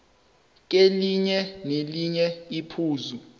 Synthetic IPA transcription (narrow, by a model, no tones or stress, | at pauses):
k̬ʼeliɲɛneliɲɛipʰuːzu